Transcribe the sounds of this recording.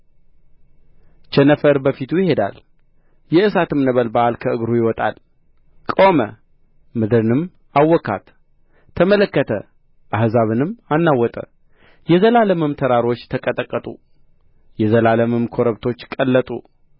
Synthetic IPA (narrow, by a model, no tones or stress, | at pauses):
t͡ʃɛnəfəɾbəfit̪ʰujɪhe̞d̪a̰l | jɛʔɨsat̪ʰɨmnəβəlbaʔalkʰəɨɡɾujɪwɔt̪ʼa̰l | kʼomə̰ | mɨd̪ɨɾɨnɨm | awːɔkːa̰t̪ʰː | əmələkːət̪ʰə | ʔahzaβɨnɨmanːawɔt̪ʼə̰ | jɛzəlaləmɨmt̪ʰəɾaɾo̞t͡ʃːt̪ʰəkʼət̪ʼəkʼːət̪ʼṵ | jɛzəlaləmɨmkʰo̞ɾəβt̪ʰo̞t͡ʃːkʼəlːət̪ʼṵ